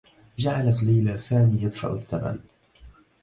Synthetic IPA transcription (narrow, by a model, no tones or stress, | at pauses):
d͡ʒaʕalat̪liːlasaːmiːjad̪fa̰ʔaθːama̰n